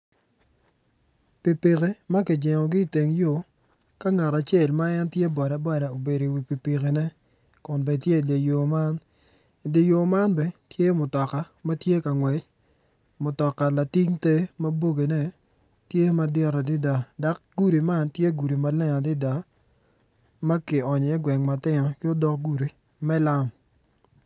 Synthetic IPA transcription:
pi˨pi˨ke˦ma˦kɪ˨d͡ʒɛ˨ŋɔ˨ɡɪ˦˨te˨ŋjo˨ | ka˦ŋa˨ɾa˨t͡ʃe˦˨lma˦ɛ˦ntje˦bɔ˨ɾa˨bɔ˦ɾa˨o˨be˨ɾo˨wi˨pi˨pi˨ke˨nɛ˦ | kʊ˨nbɛ˨tje˦˨de˨jo˨ma˦n | i˨de˨jo˨ma˦nbɛ˨tje˦mʊ˨tɔ˨ka˨ma˦tje˦ka˨ŋwɛ˨t͡ʃ | mʊ˨tɔ˨kːa˨la˨ti˦ŋte˦ma˦bo˦ɡe˨nɛ˦ | tje˦ma˦dɛ˦˨ɾa˨dɪ˦da˨da˨˦k̚ɡu˦ɾi˨ma˦ntje˦ɡu˨ɾi˨ma˦lɛ˦na˨dɪ˦da˨ | ma˦kɪ˨ɔ˨ɲɔ˨ɛ˦ɡwɛ˨ŋma˨tɪ˦nɔ˨kɪ˦o˦dɔ˦k̚ɡu˦ɾi˨ | mɛ˦la˦m

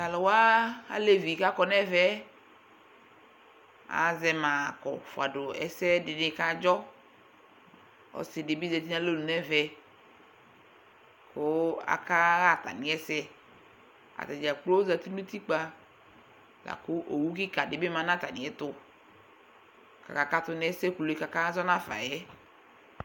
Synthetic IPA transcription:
ta˨lɔ˨wa˦a̰˨le˦vi˨ka˦kɔ˨nɛ˦vɛ˦ | a̰˨zɛ˨mã˨kɔ̰˨fo˨a̰˨ɖo˨ɛ̰˨sɛ˦dɪ˨nɪ̃˨ka˦d͡ʒɔ˦ | ɔ̰˨˦sɪ˨de˨bi˦zɛ˨t̪i˦ã˦lo˦lu˨nɛ˦vɛ˦ | kʊ˦a̰˨ka˦ɣa˦˨ta̰˨nĩ˨ɛ˦sɛ˦ | a̰˨ta˨d͡ʒa˨k͡plo˦za˨ti˦nu˦ti˦k͡pa˦ | la̰˨kʊ˦ʔo˨wu˦kɪ˦ka˨dɪ˨˦be˦ma˨˦nã˦ta˨nĩ˨ɛ˦tʊ˦ | ka̰˨ka˨ka˦tʊ˦nɛ˦sɛ˦ku˨lo˨˦ka˨ka˦zɔ˦nã˦fa̰˨jɛ˦

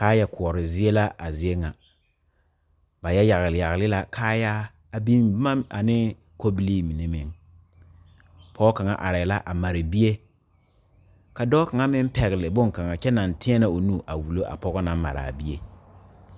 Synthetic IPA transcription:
kaː˦jɛ˦kʰʊ˨ɔ˨ɾɪ˨zɪ˦e˦la˦ʔa˨zɪ˦e˦ŋa˨ | ba˨jɛ˦ja˨ɣɪ˨lɪ˨ja˨ɣɪ˨lɪ˦la˦kʰaː˦ja˦ | a˨bi˦n˦ma˦a˨nɪ˦ | ko˦bi˦li˦mi˨ne˦mɪ˨ŋ | pʰɔ˦ka˨ŋa̰˨ʔa̰˨ɾɪ˨la˦ʔa˨ma˨ɾɪ˨bi˦e˦ | ka˨dɔː˦ka˨ŋa˦mɪ˦m˦pɛ˨ɣɪ˨lɪ˨bʊ˦ŋ˨ka˨ŋa˨t͡ʃɛ˦na˨ntʰɪ̃˦ɛ˦na˦o˨nuː˦ʔa˨wu˨lo˦ʔa̰˨pɔ˦ɣɔ˦na˦ma̰˨ɾa̰˨bi˦e˦

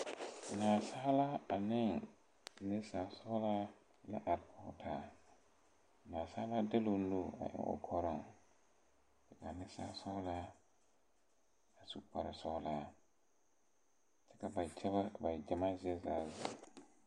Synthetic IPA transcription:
nã˨sa˦la˦a˨nɪ̃˦˨ŋ | nɛ˦sa˨sɔ˦la˦ | lɛ˦ʔa˨t̚kʰɔ˨tʰa˨ | nã˨sa˦la˦dɛ˦lo˧nlu˦˨a̰˨ʔɔ̰˨ɔ̰˨kʰɔ˨˦ɾɔ˨ŋ | d͡ʒɛ˨ka˨nɛ˦sa̰˨sɔ˦la˦ | a˨su˦pa˨ɾa˨sɔ˦la˨ | t͡ʃɛ˦ka˨ba˨jd͡ʒa˦ba˦˨ba˨jd͡ʒa˨ma˦zɛ˦za˨za̰˨

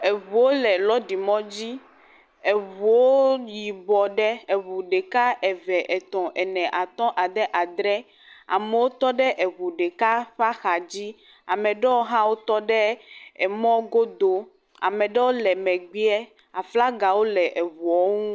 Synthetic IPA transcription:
e˨βu˨wo˦lɛ˨lɔ˦ɖi˨mɔ̃˦d͡ʑi˦ | e˨βu˨wo˦ji˨bɔ˨ɖɛ˦e˨βu˨ɖɛ˨ka˦ʔɛ˨vɛ˨ʔɛ˨t̪ɔ̃˨ʔɛ˨nɛ̃˨ʔa˨t̪ɔ̃˦ʔa˨d̪ɛ˦ʔa˨d̪ɾɛ˦ | a̰˨mɛ˨wo˦t̪ɔ˦ɖɛ˦ʔɛ˨βu˨ɖɛ˨ka˦ɸa˦xa˨d͡ʑi˦ | a˨mɛ̃˨ɖɛ˦wo˦ɦã˦wo˦t̪ɔ˦ɖɛ˦ɛ˨mɔ̃˦ɡo˦d̪o˦ | a̰˨mɛ˨ɖɛ˦wo˦lɛ˨mɛ̃˨ɡ͡bi˦ɛ˦ | a˨fla˦ɡa˨wo˦lɛ˨ʔe˨βu˨ɔ˦ŋũ˦

